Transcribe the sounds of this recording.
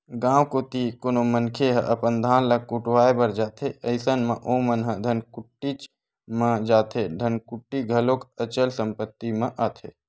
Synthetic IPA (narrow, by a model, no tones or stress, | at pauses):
ɡãːwkot̪ikonomənkʰeɦə̰ʔəpənd̪ʱaːnləkuʈwaːebəɾd͡ʒaːt̪ʰeəɪsənmə̃ʔomənɦə̃d̪ʱənkuʈːit͡ʃ | mə̃d͡ʒaːt̪ʰeɖ̪ʱənkuʈːiɡʱəlokət͡ʃəlsəmpət̪ːimẽʔaːt̪ʰe